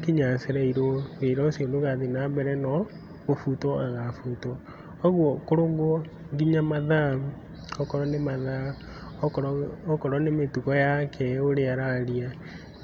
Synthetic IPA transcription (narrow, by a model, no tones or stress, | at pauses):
keɲaseɾaiɾoβeɾɔsjondoɣaðenabɛɾɛnɔ | ɣofutɔaɣafutɔ | ɔɣwɔkoɾoːŋɡo | ŋɡiɲamaða | ɔkɔɾɔnemaða | ɔkɔɾɔnemetukɔjakʰɛoɾeaɾaɾia